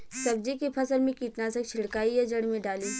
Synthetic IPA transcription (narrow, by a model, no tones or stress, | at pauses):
sɐb̚d͡ʒikipʰɐsəɾmẽkiːʈnaːsə̃kt͡ʃʰɪɽkaːijad͡ʒɐɽmẽɖaːliː